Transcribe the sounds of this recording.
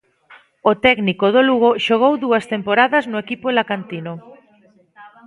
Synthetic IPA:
ot̪ɛknikoðoluɣoʃoɣ̞owðuɐst̪empoɾaðɐznʊekipolakant̪ino

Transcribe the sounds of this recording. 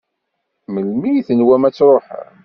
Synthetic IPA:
məlmijθənwæmæt͡sːɾˤoħ

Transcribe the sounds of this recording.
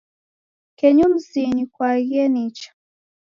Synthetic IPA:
kɛɲum̩ziɲikwaɣɛnit͡ʃḁ

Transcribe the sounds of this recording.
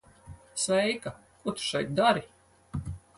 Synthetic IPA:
svɛjka | kuɔt̪u̥ʃɛjt̪̚d̪aɾi

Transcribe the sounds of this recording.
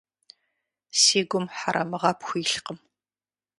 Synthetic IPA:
siːɡʷʊmħaɾʔɐmɨʁɐpxʷiːɬqəm

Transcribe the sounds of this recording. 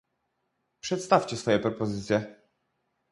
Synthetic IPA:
pʂɛt̪st̪aft͡ɕɛsfɔjɛpɾɔpɔzɘt̪sʲjɛ

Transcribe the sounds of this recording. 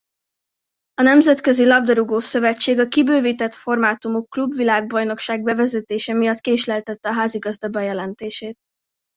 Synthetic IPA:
ɒnɛmzɛt̪kø̞zilɒb̚d̪ɒɾuɡoːsø̞vɛt͡ʃːeːɡɒkibøːvit̪ɛt̪fo̞rmaːt̪umokːlubvilaːɡ̚bɒjno̞kʃaːɡbɛvɛzɛt̪eːʃɛmijɒt̪keːʃlɛlt̪ɛt̪ːɛɒɦaːziɡɒzd̪ɒbɒjɛlɛnt̪eːʃeːt̪

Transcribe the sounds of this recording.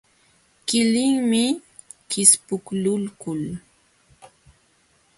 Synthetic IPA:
kɪlɪŋmɪ | kɪspʊklʊlkʊl

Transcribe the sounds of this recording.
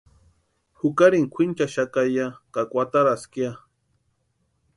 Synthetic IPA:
hʊkaɾiŋkʷʰint͡ʃaʃakajakakʷat̪aɾaskja

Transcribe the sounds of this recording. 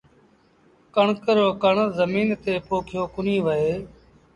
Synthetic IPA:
kəɳkəɾoːkəɳzəmiːnt̪eːpoːkʰɪjoːkʊnĩːʋəeː

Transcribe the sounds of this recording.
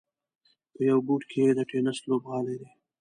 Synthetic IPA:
pəjawbuʈkʰed̪əʈenəslobɣɑled̪e

